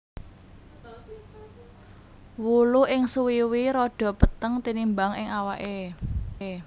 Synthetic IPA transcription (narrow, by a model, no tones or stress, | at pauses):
wuluɪŋsuwiwiɾɔɖ̥ɔ̤pət̪əŋt̪inimbaŋɪ̰ŋawaʔe